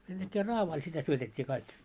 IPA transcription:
sen d̥ækːeː rɑːʋɑil sitæ syøtetʲːiː kɑik

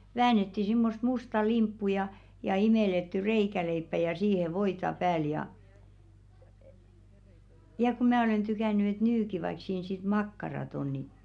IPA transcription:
ʋæːnetːi simːost mustɑ limpːu jɑ jɑ imeˑletːy reikæleipːæ jɑ siːhe ʋoitɑ pæːl jɑ jɑ ku mæː olen tykæny et nyki ʋɑik siːn sit mɑkːɑrɑt on ni

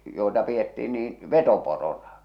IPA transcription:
joi̞tɑ pietːiː niːn̞ ʋetoporonɑ

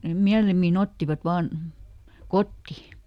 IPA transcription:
nem miælimːin otːiʋɑt ʋɑːn kotːi

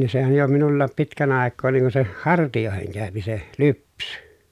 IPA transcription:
ni sehæn̞ jo minulːɑːp pitkæn ɑˑekːoː niŋ kun se hɑrtijoˑeheŋ kæˑøpi se lypsẙ

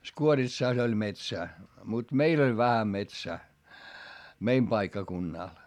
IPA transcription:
skuoritsɑˑs olʲ metsæː mut meil olʲ ʋæhæ metsæː meim pɑikːɑkunːɑˑl

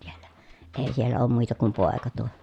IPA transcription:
si̥e̥l̥ːæ̥ eˑi sielːæ oːm muˑitɑ kum poˑekɑ tuo

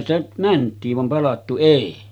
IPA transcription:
stæ mæntˑiːʋ ʋɑm pɑlɑtːu eˑi

